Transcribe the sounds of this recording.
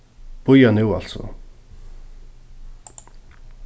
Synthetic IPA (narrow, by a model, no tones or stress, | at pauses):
pujɔnewɔɮsʊ̰